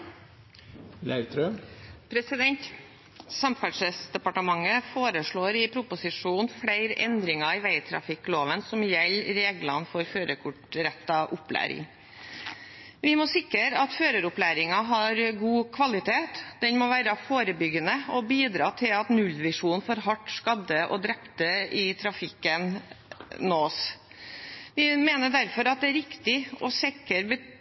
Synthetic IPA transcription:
læɪt̪ʰɾøpʰɾɛsɪd̪ɛnt̪ | sɑmfæʂəsd̪ɛpɑʈəmɑŋːəfoːɾəʂɭoːɾɪpʰɾʊpʊsɪʂuːnfɽæɪɾɛ̰nd̪ɾɪŋɑɪʋæɪt̪ʰɾɑ̰fɪkːloːʋənsɔmjɛlːɾeːɡlɑnfɔɾføːɾəkʰʊʈɾɛt̪ːɑʔʊplæ̰ːɾɪ̰ŋ | ʋɪmɔsɪkəɾɑt̪føːɾəɾʊplæːɾɪŋɑɦɑɾɡuːkʰʋɑlɪt̪ʰeːt̪d̪̥ɛnmɔʋæːɾəfoːɾəbʏɡənəɔbiːd̪ɾɑːt̪ʰɪlɑt̪nʉlːʋɪʂuːnfoːɾɦɑʈːskɑd̪əʔɔ̰d̪ɾɛpt̪əɪt̪ʰɾɑfɪkːən | noːs | ʋɪmeːnəɖ̪æɾfɔɾɑt̪̚d̪ɛæɾɪkt̪ɪɔsɪkəɾbə

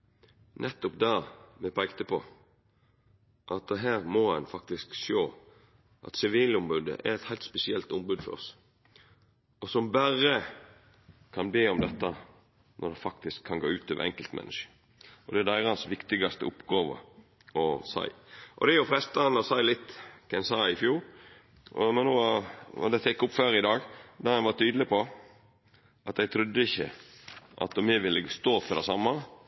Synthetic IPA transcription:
nʔɛt̪ːɔpd̪ɑːmɛpʰæɪɡt̪əpʰɔ | ʔɑt̪̚d̪ɛɦæːʁmɔhɑnfɑkt̪ɪskʃoː | ʔɑ̰t̪sɪʋiːlʊmbʉd̪ə̰ʔæ̰ɾɛt̪hæɪlt̪spɛsɪɛlt̪ʊmbʉːd̪fɔ̰ɾɔ̰s | ɔsɔmbæʁə | kʰɑnbeːɔmd̪ɛt̪ːɑ | nʔɔ̰ɾd̪ɛfɑkt̪ɪskʰːɑnɡo̰ːʉːt̪ɑʋə̰ɛ̰ŋkəlt̪mɛ̰nːəʂə̥ | ɔd̪ɛæd̪æɪɾɑhɑnsʋɪkt̪ɪɡɑst̪ə̰ʊpːɡɑːʋə̰ | ɔsæ̰ɪʔɔ̰d̪ɛjʊfɾɛst̪əɑnɔsæɪlɪt̪ːk̪ʰænsɑːɪfjuːɾ | ɔmɛnːo̰ːd̪ɛt̪ɛkːʊpːføɾɪd̪ɑːɡd̪ɑhɛnʋɑt̪ʰyːd̪əlɪpʰɔ | ʔɑt̪jæɡt̪ʰɾʉd̪ːəɪçːə̰ʔɑ̰t̪ɔmɛʋɪlːəɡst̪oːfɔɾd̪æsɑmːɑ

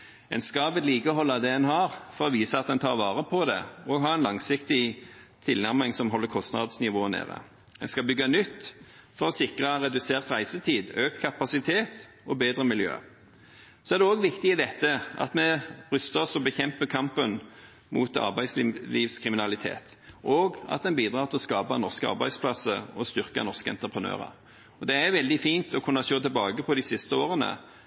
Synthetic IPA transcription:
ɛ̰nskɑʋɛd̪liːkəhɔlːɑd̪ɛɛnhɑʁfɔɾɔʋiːsəɑt̪̚d̪ɛnt̪ʰɑːʁʋɑːʁəpʰɔd̪ɛ̰ɔɡɦɑːɛnlɑŋsɪkt̪ɪ | t̪ʰɪlnæʁmɪŋsɔmɦɔlːəkʰɔst̪nɑ̰d̪snɪʋoːnḛːʁə̰ | ɛnskɑbʏɡːɑnʏt̪ː | fɔʁɔsɪkʁəɾɛd̪ʉseːʁt̪ɾæɪsət̪ʰiːd̪øːkt̪kʰɑpɑsɪt̪ʰeːt̪ | ɔbeːd̪ɾəmɪljø̰ː | sɔæʁd̪ɛɔːɡʋɪkt̪ɪɪd̪ɛt̪ːəʔɑ̰t̪mɛʁʏst̪əɔsɔbəçɛmpəkʰɑmpən | mʔṵːt̪ɑ̰ʁbæɪsliːʋskʰʁɪmɪnɑlɪt̪ʰḛːt̪ | ʔɔɡɑ̰t̪̚d̪ɛnbiːd̪ɾɑːʁt̪ʰɪlɔskɑːpɑnɔʁskəɑ̰ʁbæ̰ɪspʰlɑsə̰ɔst̪ʏʁkɑ̰nɔʁskəɛ̰nt̪ʁəpʰʁənø̰ːʁə̰ | ɔd̪ɛæʋɛld̪ɪfiːnt̪ɔkʰʊnːəʃoːt̪ʰɪlbɑːɡəpʰɔd̪ɪsɪst̪əoːʁənə̰

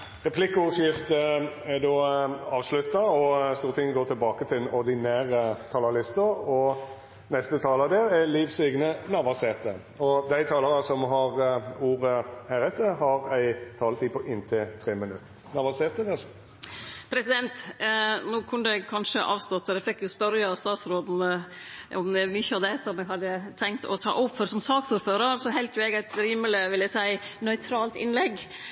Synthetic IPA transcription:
ʁɛpʰlɪkːəʊʁsjɪft̪ə | æd̪oːɑːʋslʉt̪ːɑɔst̪uːɾət̪ʰɪŋːəɡoːɾt̪ʰɪlbɑːkət̪ʰɪld̪ɛnɔʁd̪ɪnæːʁət̪ʰɑːlɑɾlɪst̪əɔ | nɛst̪ət̪ʰɑːlɑd̪ɛːɾɛliːʋsyːɡnənɑʋɑseːt̪ə | ɔd̪æɪt̪ʰɑːləʁɑsɔmɦɑʁuːʁəhæːɾɛt̪ʰːəɾhɑʁæɪt̪ʰɑːlət̪ʰiːpʰɔʔɪnt̪ʰɪt̪ʰʁeːmənʉt̪ | nɑʋɑseːt̪əd̪ɛs | pʰɾɛsɪd̪ɛnt̪nuːkʰʉnːəd̪ɛkʰɑnʂəʔɑːʋst̪ɔt̪ːɔd̪ɛfɛkːjʊspœɾjɑɑst̪ɑːt̪sɾoːd̪n̩ʔɔmd̪ɛmʏçːəɑʋd̪ɛsɔmɛɡɦɑd̪ːət̪ʰɛŋkt̪ʰɔ̰t̪ʰɑ̰ːʔɔʋføɾsɔmsɑːksuːɾføːɾəɾsɔɦæɪlt̪ʰɾʊɛɡæɪt̪ɾiːməlɪʋɪləsæɪnœʏt̪ʰɾɑːlt̪ɪnlɛɡ

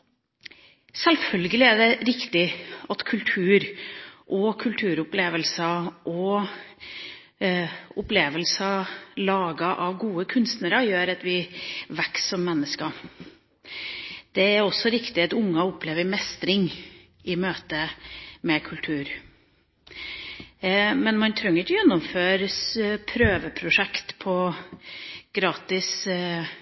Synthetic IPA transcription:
sɛlfœlɡəlɪæɖɛɾɪkt̪ɪɑt̪kʰʉlt̪ʰʉːɾʔɔkʰʉlt̪ʰʉːɾʊpleːʋəlsɑʔɔ | ʊpleːʋəlsɑlɑːɡɑʔɑʋɡuːəkʰʉnst̪nəɾəjøːɾɑt̪ʋɪʋɛksɔmːɛnːəskɑ | d̪̥ɛæɾɔsːɔɾɪkt̪ɪɑt̪ʊŋːɑɔpleːʋəɾmɛst̪ɾɪŋ | ɪmøːt̪əmɛkʰʉlt̪ʰʉːɾ | mɛnmɑnt̪ʰɾœŋːəɾɪçɔjɛnːɔmføːɾəspʰɾøːʋəpʰɾʊʂɛkt̪pʰɔ | ɡ̥ɾɑːt̪ɪs

